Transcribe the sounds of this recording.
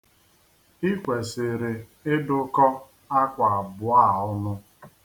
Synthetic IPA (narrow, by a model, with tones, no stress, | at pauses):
i˦kʷe˨sɪ˨ɾɪ˨ | ɪ˦dʊ˦kɔ˦ | a˦kʷa˨a˨bʊ˨a˦˨ʊ˦nʊ˦